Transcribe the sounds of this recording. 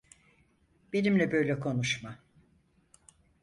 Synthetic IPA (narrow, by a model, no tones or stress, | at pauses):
b̥e̞nimlʲɛbø̞jlʲɛkʰo̞nuʃma